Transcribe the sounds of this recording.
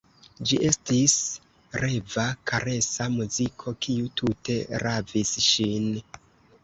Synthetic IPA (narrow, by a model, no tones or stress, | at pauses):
d͡ʒiʔe̞stis | ɾe̞vakʰaɾe̞samuzikʰo̞kʰiutʰute̞ɾavisʃin